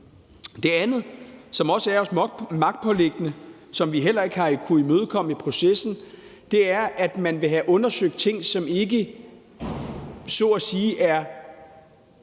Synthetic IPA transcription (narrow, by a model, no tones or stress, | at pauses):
d̥e̝ænð̩ˠsɒ̽mɒ̽səæɐɒ̽smɑ̈ɡ̥d̥̚pʰɒ̽le̝ɡ̥ənə | sɒ̽mʋiɦel̰ɐe̝ɡ̥əhɑ̈ikʰuimøːð̞ˠkʰɒ̽m̰əipʰʁo̝sesn̩ | d̥e̝æɐæd̥mænʋe̝ɦæʔɔ̽nɐsøɡ̥̚d̥̚t͡sʰe̝ŋ̰sɒ̽me̝ɡə | sɔæsiːʔæɐ